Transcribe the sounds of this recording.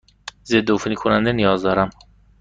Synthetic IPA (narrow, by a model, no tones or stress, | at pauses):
zed̪ofnikʰonænd̪enijɒːzd̪ɒːɾæm